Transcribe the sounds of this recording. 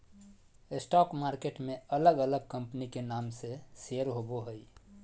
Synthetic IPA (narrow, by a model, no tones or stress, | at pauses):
ɪsʈɔkmaːɾkeʈmeələɡələɡ̚kəmpnikenamsesejəɾɦoboɦəj